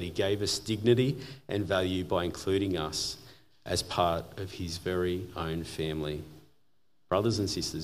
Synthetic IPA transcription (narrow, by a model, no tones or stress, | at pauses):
ɾiɡeɪvʌsd̥ɪɡ̚nɨɾiʔɨ̃nvælˠjʉbaɪɨ̃nkʰl̥ʉɾɪ̃ŋʌs | ʔɨz̥pʰɑɹɾʌv̥ɪzvɛɹiõʊ̃nfæ̃mli | b̥ɹʌðə˞zɨ̃n̩sɪstə˞